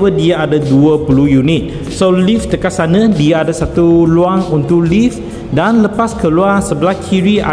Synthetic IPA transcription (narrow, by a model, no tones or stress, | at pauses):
ədiaadaduəpulujunit̪̚ | solift̪əkasanə̃diaadasat̪uluaŋunt̪uʔlif | danləpaskəluarsəbəlahkʰiɾiʔa̰